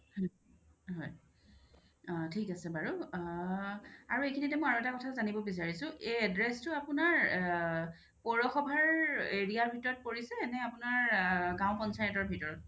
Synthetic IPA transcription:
hɔj | ɦɔj | tʰikasɛbaɹu | aɹuejkʰinitɛmɔjaɹuɛtakɔtʰazanibɔbis̬aɹisʊ̃ʔeɛdɹɛstʊapʊnaɹ | pɔɹɔxɔbʱaɹeɹiaɹbʱitɔɹɔt̚poɹisɛːnɛapʊnaɹɡãw̃pɔnsajɛtɔɹbʱitɔɹɔt̚

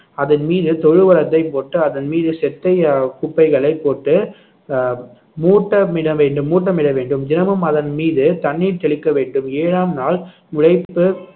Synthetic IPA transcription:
ɐðɐnmiːðɯt̪ɔɻɯʋɐɾɐt̪̬ːɐɪpoːʈːɯɐðɐnmiːðɯsɛt̪ːɐɪkʊpːɐɪɣɐɭɐɪpːoːʈːɯ | muːʈːɐmɪɽɐʋeːɳɖɯmːuːʈ̬ːɐmɪɽɐʋeːɳɖɯmd͡ʒɪnɐmɯmɐðɐnmiːðɯt̪ɐɳːiːɾt̪ɛɭɪkːɐʋeːɳɖɯmeːɻaːmnaːl | mʊɻɐɪpːɯ

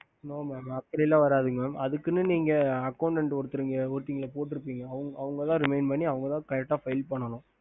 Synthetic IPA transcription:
noːmaːmɐkːɐɾɪlːãːʋɐɾaːðɯŋɡɐmamɐðɯkːɯnːɯniːŋɡɐɐkːɐʊɳʈɛɳʈɔɾɯt̪ːɯɾɯŋɡɐoːʈːiŋɡɐlɐpoːʈ̬ːɯɾɯp̬ːiːŋɡɐːʋɯŋɡɐɐʋɯŋɡɐt̪ãːɾɪmeɪnpɐɳːiɐʋɐŋɡɐt̪ãːkɐɾɛk̚ʈːaːfɐɪlpɐɳːɐnʊ̃

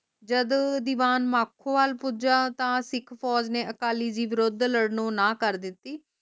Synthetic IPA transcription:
d͡ʒəd̪d̪iːʋaːnmaːkʰːõːʋaːlpud͡ʒaːt̪ãːsɪkʰpʰɔːd͡ʒnẽːʔəkaːliːd͡ʒiːʋɪɾod̪ləɽnõːnaːkəɾd̪ɪt̪ːiː

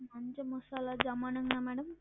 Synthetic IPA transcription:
mɐɲt͡ʃemɔsaːlaːd͡ʒɐmaːnɐŋnaːmɛːɽɐm

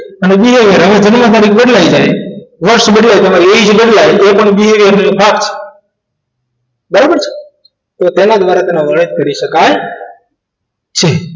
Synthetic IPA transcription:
əneɓiɦeʋiəɾɦəʋẽd͡ʒənməd̪aːɾikɓəɽlaːid͡ʒaːeʋəɾʃɓəɽlait̪əmaːɾieit͡ʃʰbəɽlaːeʔepəɳɓiɦeʋəɾnbʰaːkt͡ʃʰe̥ | bəɾabəɾt͡ʃʰe̥ | t̪ot̪enãd̪ʋaːɾat̪eːnãʋəɽəd͡ʒkəɾiʃəkaj | t͡ʃʰe

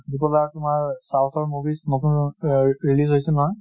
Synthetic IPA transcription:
dipɔlatumaɹsawtʰɔɹmubisnotunɹilisɦojsɛnɔɦɔj

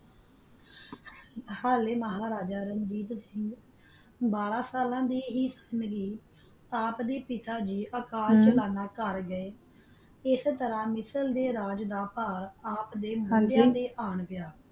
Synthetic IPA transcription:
haːleːməɦaːɾaːd͡ʒaːɾənd͡ʒiːt̪sɪŋɡ | baːɾãːsaːlãːd̪iːɦiːsənɡiː | aːpd̪eːpɪt̪aːd͡ʒiːʔəkaːɾt͡ʃəlaːnaːkəɾɡəeː | ɪst̪əɾãːmɪsəld̪eːɾaːd͡ʒd̪aːpaːɾaːpd̪eːmʊjãːd̪eːʔaːɳpɪjaː

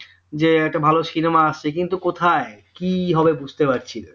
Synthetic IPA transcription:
d͡ʑeɛk̚ʈabʱaloʃinemaaʃt͡ɕʰekint̪ukot̪ʰaekiɦɔbebud͡ʑʱt̪epaɾt͡ɕʰile

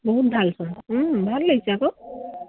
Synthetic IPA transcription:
bɔɦut̪̚dʱalsɔnbʱalləɡisako

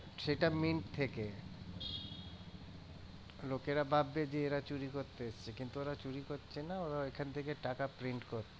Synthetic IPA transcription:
ʃeʈaminʈt̪ʰeke | lokeɾabʱabːed͡ʑeeɾat͡ɕuɾikoɾt̪eest͡ɕʰekint̪uoɾat͡ɕuɾikoɾːɕʰenaoɾaekʰanet̪ʰekeʈakapɾiɳʈkoɾt̪e

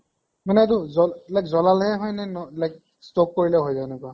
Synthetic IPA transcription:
manɛtʊzɔlajkzɔlalɦɛɦɔjnɛnɔlajk | stok̚koɹilɛɦojzaɛnɛkua

